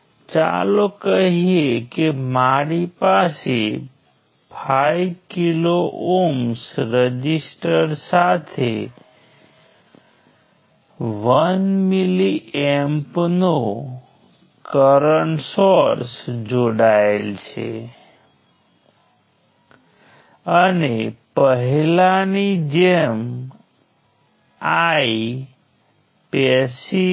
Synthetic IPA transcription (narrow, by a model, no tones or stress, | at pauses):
t͡ʃa̰lokəɦiekemaɾipase | pʰajkiloʔomsɾəd͡ʒisʈəɾsat̪ʰe | ʋənmiliɛmpno | kəɾəɳsoɾsd͡ʒoɽaelt͡ʃʰḛ | ənepəɦilanid͡ʒɛm | ai | pɛsi